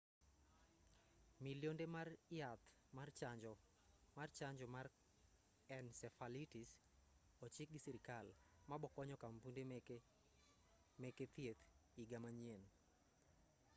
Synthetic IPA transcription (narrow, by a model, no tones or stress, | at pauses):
miljondemarɪjat̪ | mart͡ʃad͡ʒɔ | mart͡ʃaɲd͡ʒɔmar | ɛnsɛfalitis | ɔt͡ʃɪk̚ɡisiɾikalmabɔkɔɲɔkampunde | meket̪jet̪iɡamaɲien